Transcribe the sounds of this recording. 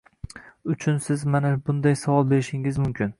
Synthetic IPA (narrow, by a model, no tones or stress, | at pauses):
ʊt͡ʃʰʊnsɪzmanabʊnd̪ajsavɒlˠbe̞ɾɪʃɪŋɪzmʊmkʲɪn